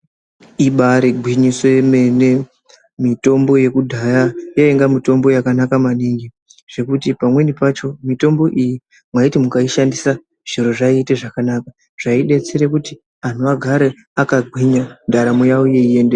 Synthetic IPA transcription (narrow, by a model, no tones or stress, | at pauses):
iɓaɾeɡʱwiɲiswe̞mene̞ | mito̞mbo̞je̞kudʱajajaeŋɡamito̞mbo̞jakanakamaniŋɡi | ʐ̥e̞kutipamwe̞nipat͡ʃo̞mito̞mbo̞ʔiji | mwaitimukaiʃandisa | ʐ̥iɾo̞ʐaiːte̞ʐakanaːka | ʐ̥aiɗe̞t͡seɾekuti | an̤uaɡʱaɾe | akaɡʱwiɲandʱaɾamujawoje̞ie̞ːnde